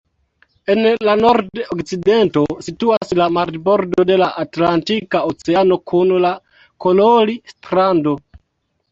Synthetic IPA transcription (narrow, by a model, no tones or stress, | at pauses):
e̞nlano̞ɾdokt͡side̞nto̞situaslamaɾdbo̞ɾdo̞de̞laʔatlantikaot͡seano̞kʰunla | kololistɾando̞